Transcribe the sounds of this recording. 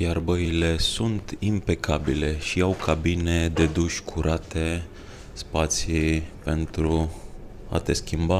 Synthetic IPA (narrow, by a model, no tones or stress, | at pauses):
jarbəile̞sunt̪impe̞kʰabile̞ʃiawkʰabine̞d̪e̞d̪uʃʲkʰuɾat̪e̞ | spat̪sipe̞nt̪ɾu | a̰t̪e̞skʲimba